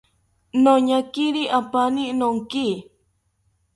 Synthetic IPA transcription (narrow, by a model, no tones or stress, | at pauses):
noɲakiɾiʔapaninoŋki